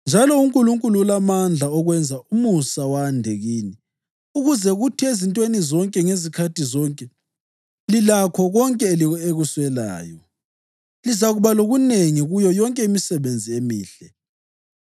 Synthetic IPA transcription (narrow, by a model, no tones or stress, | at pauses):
nd͡ʒʱalɔuŋkʼuluŋkʼuluulamand͡ɮʱaɔɣwɛnd͡zʱaumusawandʱeɣini | uɣuzɛɣutʰiezintʼwenizɔŋkʼɛŋezikʰatʰizɔŋkʼɛ | lilakʰɔɣɔŋkʼɛlieɣuswɛla̰ːjɔ | lizaɣuβaloɣuneŋiɣujɔjɔŋkʼɛimisɛβend͡zʱiemiːɬɛ